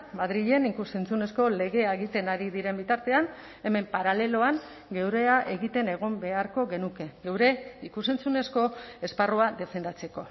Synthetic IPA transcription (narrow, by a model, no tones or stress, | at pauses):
maðɾiʎe̞nikuse̞nt͡sune̞sko̞le̞ɣe̞aeɣit̪e̞naɾiðiɾe̞mbit̪aɾt̪e̞an | e̞me̞mpaɾale̞lo̞aŋ | ɡe̞wɾe̞aʔe̞ɣit̪e̞ne̞ɣ̞ombe̞aɾko̞ɣe̞nuke̞ɡe̞wɾe̞ikuse̞nt͡sune̞sko̞esparoaðe̞fe̞nd̪at͡se̞ko̞